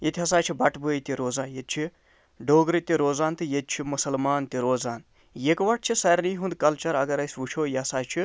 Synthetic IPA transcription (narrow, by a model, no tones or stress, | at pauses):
jet̪ʰʲiɦɐsaːt͡ʃʰibɐʈbut̪iɾoːzaːnjet̪̚t͡ʃʰi | ɖoːɡɾɨt̪iɾoːzaːnt̪ɨjet̪̚t͡ʃʰimusɐlmaːnt̪iɾoːzaːn | jekʋɐʈ̚t͡ʃʰisɐɾnijɦund̪kɐlt͡ʃɐɾɐɡɐɾɐjsʋut͡ʃʰoːjeɐsaːt͡ʃʰi